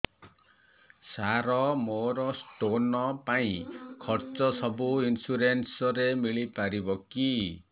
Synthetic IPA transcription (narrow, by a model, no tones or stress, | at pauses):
saɾɔmoɾɔsʈonɔpaĩkʰɔɾt͡sɔsʌbuinsuɾensɔɾemiɭipaɾibɔki